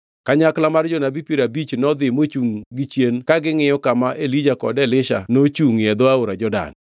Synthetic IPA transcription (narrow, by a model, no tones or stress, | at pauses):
kaɲaklamard͡ʒɔnabipiɾabit͡ʃnɔd̪ɪmot͡ʃuŋɡɪt͡ʃjenkaɡɪŋɪjɔkamaʔelid͡ʒakɔ̰dɛlɪʃa̰not͡ʃuŋjɛd̪oaoɾad͡ʒɔda̰n